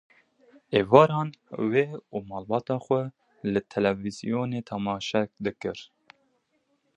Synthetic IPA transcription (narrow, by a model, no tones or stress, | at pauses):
eːvɑːɾɑːnweːuːmɑːlbɑːt̪ɑːxʷɛ | lɨt̪ʰɛlɛvizḭjoːneːt̪ʰɑmɑːʃɛk̚d̪ɨkɨɾ